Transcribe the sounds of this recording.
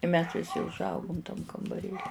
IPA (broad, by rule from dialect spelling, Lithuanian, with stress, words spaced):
ɪ mʲɛs ʋʲɪˈsʲɪ ʊʒˈɐʊɡʊm tɐm kɐmbɐˈrʲeːlʲɪ